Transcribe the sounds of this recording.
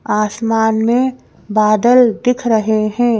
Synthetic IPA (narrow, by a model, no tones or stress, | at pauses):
aːsmaːnmẽ | baːd̪əld̪ɪkʰɾəɦeɦɛ̃ː